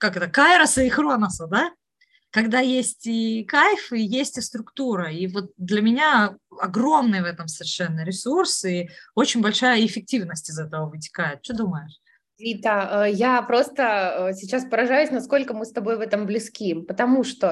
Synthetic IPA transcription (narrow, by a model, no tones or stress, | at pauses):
kakɛt̪əkaɪɾəsɐixronəsəd̪a | kɐɡd̪ajesʲtʲɪkajfɨjesʲtʲɪst̪ɾʊkt̪uɾəivo̞t̪̚d̪lʲɐmʲɪnʲaɐɡɾo̞mnɨjvɛt̪əmsəvʲɪrʂɛnːəɾʲɪsursɪo̞t͡ɕɪnʲbɐlʲʂajəɪfʲɪk̚tʲivnəsʲtʲɪzɛt̪əvəvɨtʲɪ̥kajɪt̪̚t͡ɕod̪uməjɪʂʲ | it̪aəjapɾo̞st̪əəsʲɪt͡ɕaspəɾɐʐajʊsʲnɐsko̞lʲkəmɨst̪ɐbo̞jvɛt̪əmblʲɪskʲimpət̪ɐmuʂt̪o